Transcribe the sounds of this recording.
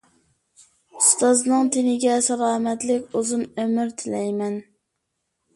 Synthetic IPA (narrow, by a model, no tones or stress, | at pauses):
ust̪ɑznɨŋt̪ʰɪnɪɡʲɛsɑlˠɑːmɛt̪lɪkʲuzɨmømɪɾt̪ʰɪlɛjmɛn